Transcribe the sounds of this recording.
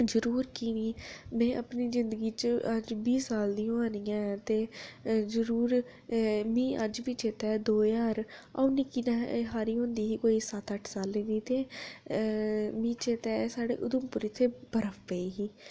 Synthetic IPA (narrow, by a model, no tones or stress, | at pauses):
zəɾuːɾkiːniːmɛ̃ːʔə̰pniːzɪnd̪əɡiːt͡ʃəəd͡ʒbiːsaːld̪iːõːaːnijãːt̪eːzəɾuːɾ | mĩːʔəd͡ʒbiːt͡ʃeːt̪ɛːd̪oːjaːɾa̰ːuniːkinãːɦaːɾiːɦõːnd̪iːɦiːkoːiːsət̪əʈʰsaːlẽːd̪iːt̪eː | mĩːt͡ʃeːt̪ɛːsaːɽḛːʔʊd̪ʊmpʊɾɪt̪ʰːeːb̥əɾəppeiːɦiː